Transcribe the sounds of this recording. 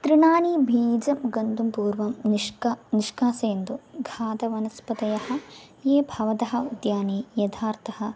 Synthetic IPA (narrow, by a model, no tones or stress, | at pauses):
t̪ɾiɳaːniːbʱiːd͡ʒɐmɡɐnd̪umpuːɾʋɐmniʂkniʂkaːseːnd̪uɡʱaːd̪ɐʋɐnɐspɐt̪ɐjɐhɐ̆ | jeːbʱɐʋɐt̪ɐɦɐ̆ud̪jaːneːjɐd̪ʱʰaːɾt̪ɐhɐ̆